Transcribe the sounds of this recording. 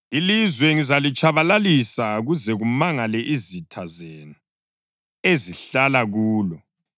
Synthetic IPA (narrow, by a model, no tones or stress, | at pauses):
ilizwɛŋizalit͡ʃʼaβalalisaɣuzɛɣumaŋalɛʔizitʰazenu | eziɬalaɣuːlɔ